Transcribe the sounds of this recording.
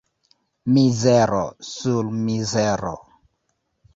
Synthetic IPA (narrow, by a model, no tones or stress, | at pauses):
mizeɾo̰sulmizeɾo̰